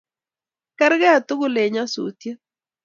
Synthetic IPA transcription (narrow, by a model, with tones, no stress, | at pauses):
kɛ˦ɾɡɛ˦a˨t̪ʊ˦ɡʊ˦˨le˨ɲa˦sṵ˨tje˦